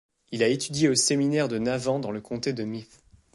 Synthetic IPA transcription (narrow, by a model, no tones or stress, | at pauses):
ilaet̪yd̪jeoseminɛʁd̪ənavɑ̃d̪ɑ̃ləkʰɔ̃t̪ed̪əmit